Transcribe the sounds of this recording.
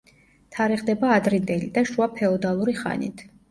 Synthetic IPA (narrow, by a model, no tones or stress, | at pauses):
t̪ʰaɾɛʁd̪ɛbaːd̪ɾind̪ɛlid̪aʃuapʰɛɔd̪alˠuɾiχa̰nḭt̪ʰ